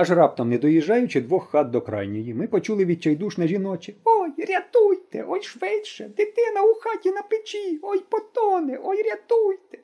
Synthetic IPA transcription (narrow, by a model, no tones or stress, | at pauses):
ɐʒrɑp̚t̪ɐmnɛd̪ɔjiʒːɑjʊt͡ʃɪd̪ʋɔxːɑt̪̚d̪ɔkɾɑ̰jnʲɔjimɪpɔt͡ʃulˠɪʋʲid̪̚ʲt͡ʃɛjd̪uʃnɐʒʲinɔt͡ʃʲɪɔjrʲɐt̪ujt̪ɛ̰ʔɔjʃʋɪtʲʃɛd̪ɪt̪ɪnɐʊxɑtʲinɐpɪt͡ʃʲiɔjpɔt̪ɔnɪʔɔjɾʲɐt̪ujt̪ɛ̥